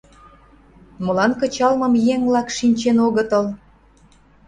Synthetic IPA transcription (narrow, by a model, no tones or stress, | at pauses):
mə̆lɑnkɤ̆t͡ɕɑlmə̆mjeŋvlɑkʃinʲt͡ɕenoɣət̪ə̆l